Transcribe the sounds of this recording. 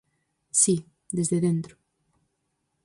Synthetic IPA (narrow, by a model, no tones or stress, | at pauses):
si | d̪ezðeðẽnt̪ɾo̥